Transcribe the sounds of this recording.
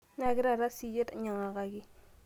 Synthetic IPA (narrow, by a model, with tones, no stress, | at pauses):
na˨ɡi˦ɾa˨ɾa˦si˦je˦ta˨ɲa˨ŋa˨ɡa˨ɡi˦